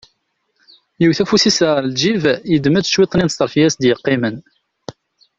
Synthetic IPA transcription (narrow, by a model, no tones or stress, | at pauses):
jiwθæfusisəld͡ʒivjəd̪mæt͡sːə̥ʃwit̪ˤːninst̪əɾˤfijæsd̪jəqːimən